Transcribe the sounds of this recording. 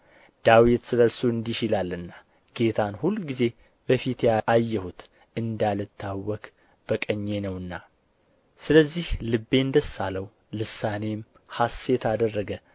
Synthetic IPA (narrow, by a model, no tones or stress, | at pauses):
d̪̥awit̪sɨləɾsoɨnd̪iʃɪlalːɨnːa | ɡ̥e̞t̪ʰanhulːɡize̞ | b̥əfit̪jajːɛhut̪ | ɨnd̪alɨt̪ʰːawːɔkʼ | b̥əkʼəɲːe̞nəwɨnːa | sɨləzːihlɨbːe̞ɨnd̪əsːaləw | lɨsane̞m | hasːet̪ʰad̪ərːəɡə